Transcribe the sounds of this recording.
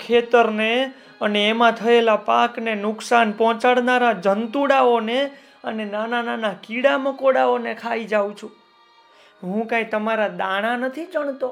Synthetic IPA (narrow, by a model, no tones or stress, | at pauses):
kʰet̪əɾne | əneːmãt̪ʰəelapaknenʊksanpɔ̃t͡ʃaɽnaɾad͡ʒənt̪uɽaone | ənenanananakiɽaməkoɽaonekʰaid͡ʒaũt͡ʃʰũ | ɦũkait̪əmaɾad̪aɽ̃anət̪ʰid͡ʒəɳ̃t̪o